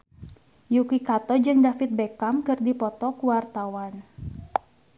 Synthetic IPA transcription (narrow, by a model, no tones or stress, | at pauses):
jukikat̪ɔd͡ʒɨŋdafɪt̪̚bekamkɨrdipɔt̪ɔkuwart̪awan